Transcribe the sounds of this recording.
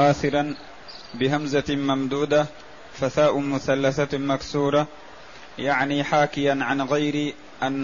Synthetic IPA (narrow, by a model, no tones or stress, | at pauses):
aːθɪɾɑn | bɪɦamzamamd̪uːd̪a | faθaːʔʊmʊθalːaθamaksuːɾˤɑ | jaʕniħaːkɪjanʕanɣajɾi | ʔanː